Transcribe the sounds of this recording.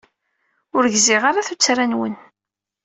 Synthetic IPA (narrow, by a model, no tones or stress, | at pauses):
ʊɾʝzɪʁaɾaθut͡sːɾænwə̰n